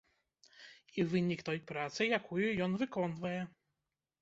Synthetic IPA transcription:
ivɘɲikt̪ɔjpɾat̪sɨjakʰujujɔnvɨkɔnvajɛ

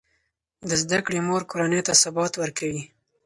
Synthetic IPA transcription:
d̪əzd̪akɽemoɾkoɾanəjt̪asabɑt̪wəɾkawi

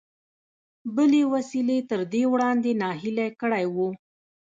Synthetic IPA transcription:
bəlewasilet̪əɾd̪ewɽɑnd̪enɑɦilajkəɽajwu

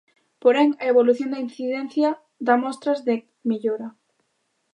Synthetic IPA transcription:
poɾɛŋɐeβoluθjond̪ɐinθiðɛn̟θjɐ | ðamɔst̪ɾɐzðe | miʎoɾɐ

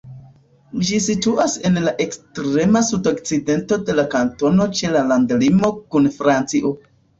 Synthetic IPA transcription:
d͡ʒisituʔase̞nlaʔe̞kstɾe̞masudok̚t͡side̞nto̞de̞lakanto̞no̞t͡ʃe̞lalandlimo̞kunfɾant͡siʔo

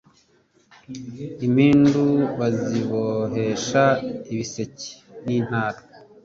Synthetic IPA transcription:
imhiːnduβaziβoɦe̞ʃaiβise̞ci̥ | nin̥haːɾo̥

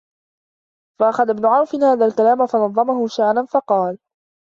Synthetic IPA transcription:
faʔaxaðabnʊʕawfɪnhaːðaːlkalaːmafɑnɑðˤːɑmahʊʃaʕɾanfɑqɑːl

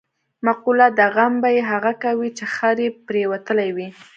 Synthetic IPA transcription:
maqulad̪aɣambajeɦaɣakawit͡ʃexaɾepɾewat̪əlajwi

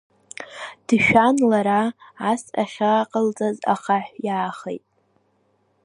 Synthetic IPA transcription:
d̥ʃᶣanlaɾaːsaχʲaqʼəlt͡sʼaza̰χaħʷjaːχḛjtʼ

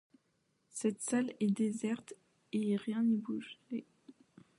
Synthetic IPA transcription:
sɛt̪salɛd̪ezɛʁt̪ | eʁjɛ̃nibuʒe

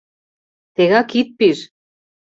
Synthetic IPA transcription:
t̪eɣɑkit̪̚piɾ

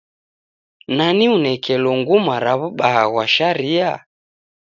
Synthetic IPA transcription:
naniunɛkʰɛlɔŋɡumaɾaβuɓaha̰ɣwaʃaɾia

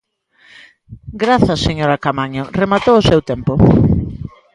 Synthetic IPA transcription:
ɡɾaθɐseɲoɾakamaɲoremat̪oʊsewt̪ɛmpo

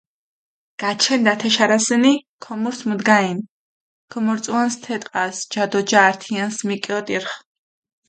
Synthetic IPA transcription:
ɡ̥at͡ʃʰɛnd̪at̪ʰɛʃaɾasɛnikʰɔmuɾsmud̪ɡain | kʰɔmɔɾt̪sʼuanst̪ʰɛt̪ʼqʼasd͡ʒad̪ɔd͡ʒaːɾt̪ʰiansmikʼɛɔt̪ʼiɾχ

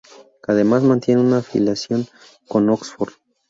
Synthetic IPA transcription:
kaðe̞mazmãnt̪je̞neunafḭlasjo̞ŋ | ko̞noksfoɾð

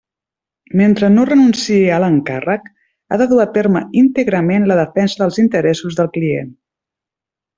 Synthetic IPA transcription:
ment̪ɾənorənunsieələŋka̰rək | a̰ðəðuat̪erməint̪əɣɾəmenləðəfɛnzəðəlˠzint̪əɾɛsuzðəlˠkliḛn

